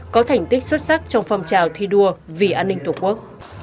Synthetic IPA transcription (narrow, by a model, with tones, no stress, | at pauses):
kɔ˨˦t̪ʰɛ˨˩jŋ̟t̪ï˦˥k̟̚swə˦˥t̚sa˦˥k̚t͡ɕɔ˧wŋ͡mfə˧mt͡ɕaː˨˩wt̪ʰi˧ɗu˧əvi˨˩ʔaː˧nːï˧ŋt̪u˨˩ku˦˥ək̚